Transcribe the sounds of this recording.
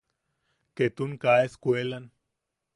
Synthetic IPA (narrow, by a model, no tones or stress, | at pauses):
ket̪unkaeskwelan